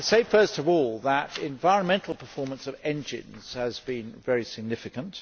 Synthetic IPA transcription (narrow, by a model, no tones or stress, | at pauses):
seɪfɜˑ˞stʌvɔlˠðəɾɪ̃ɱvaɪɹə̃nmɛ̃ntʰˡl̩ˠpʰəfɔɹmə̃nsʌvɛ̃nd͡ʒɪ̰̃nz̥əzbĩnvɛɹisɪɡ̚nɪfɨkə̃nt